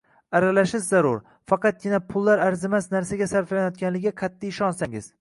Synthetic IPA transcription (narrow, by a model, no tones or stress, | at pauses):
aɾalaʃɪzːaɾʊɾ | fɑqɑt̪̚ɡʲɪnapʰʊlˠːaɾaɾzɪmasnaɾsaɡʲasaɾflanjɒt̪̚kʲanlɪɡʲɪqʰɑt̪ːijɪʃɒnsaŋɪ̰z̥